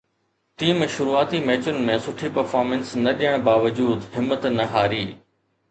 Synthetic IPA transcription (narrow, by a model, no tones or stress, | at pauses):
ʈiːmʃʊɾuaːt̪imɛːt͡ɕʊnɪ̆mẽsʊʈʰipɐɾfaːɾmə̃nsnɐɗijəɽ̃baːʋəd͡ʑuːd̪ɦɪmːət̪nɐɦaːɾiː